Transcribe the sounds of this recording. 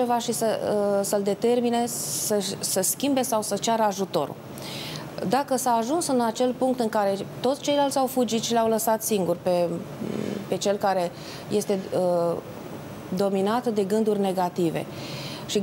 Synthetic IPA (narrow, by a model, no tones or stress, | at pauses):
e̞vaʃisəsəld̪e̞t̪e̞rmine̞səʃsəskʲimbe̞sawsət͡ʃaɾəaʒut̪o̞̰ɾṵl | d̪akəsaːʒunsɨnat͡ʃe̞lpuŋk̚t̪ɨŋkaɾe̞t̪ot̪sʲt͡ʃe̞jlalt̪ʲawfud͡ʒit̪ʃileawləsat̪siŋɡurpe̞ | pe̞t͡ʃe̞lkaɾe̞ | je̞st̪e̞ə | d̪o̞minat̪d̪e̞ɡɨnd̪urʲne̞ɡat̪ive̞̰ | ʃi